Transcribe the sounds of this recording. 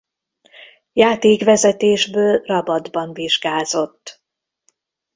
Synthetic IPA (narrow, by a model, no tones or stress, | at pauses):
jaːt̪eːɡʋɛzɛt̪eːʒbøːlrɒbɒd̪bɒɱviʒɡaːzo̞t̪ː